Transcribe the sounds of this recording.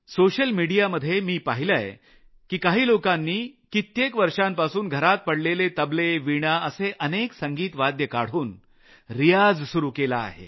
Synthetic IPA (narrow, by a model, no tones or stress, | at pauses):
soɕəlmiɽijaməd̪ʱːjemiːpaɦila̰j | kiːkaɦiːlokanːiːkit̪jekʋəɾʂampasuːnɡʱəɾat̪̚pəɽlelet̪əbleʋiɽ̃aəseʔəneksəŋɡiːt̪ʋad̪jəkaɽ̤uːn | ɾijad͡zsuɾuːkela̰ːɦḛ